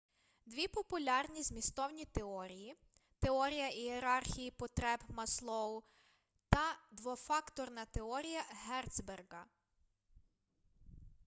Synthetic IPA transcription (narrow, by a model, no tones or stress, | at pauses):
d̪ʋʲipɔpʊlʲɑrnʲizmʲist̪ɔwnʲit̪eɔɾʲiji | t̪eɔɾʲijɐʔieɾɑrxʲijipɔt̪ɾɛbmɐslˠɔwʊ | t̪ɐd̪ʋɔfɑkt̪ɔrnɐt̪eɔɾʲijɐɦɛrt̪sberɡɐ